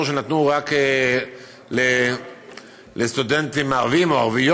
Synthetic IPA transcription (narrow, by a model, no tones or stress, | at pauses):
ʃenat̪nuʁake | le | lest̪ud̪ent̪imaʁvimoa̰ʁvij